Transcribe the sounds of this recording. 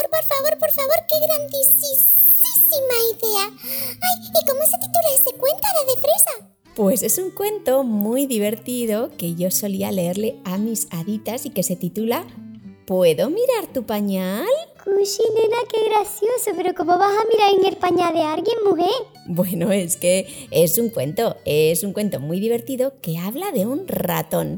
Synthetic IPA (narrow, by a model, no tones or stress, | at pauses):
oɾpoɾfaβoɾpoɾfaβ̞oɾkeɣɾand̪isis | isimaiðeaajikomoset̪it̪ulaesekwe̞nt̪aðaðefɾesa | pwe̞se̞suŋkwe̞nt̪o̞mujðiβe̞ɾt̪iðo̞ke̞ʝo̞so̞lialeeɾleamisaðit̪asike̞set̪it̪ulapwe̞ðo̞miɾaɾt̪upaɲalkuʃinenakeɣɾasjosopeɾokomoβasamiɾaɾeŋeɾpaɲalðeaɾɣjeŋmuɦe | bwe̞noe̞ske̞e̞suŋkwe̞nt̪o̞esuŋkwe̞nt̪o̞mwujðiβe̞ɾt̪iðo̞ke̞aβlaðe̞unra̰t̪o̞n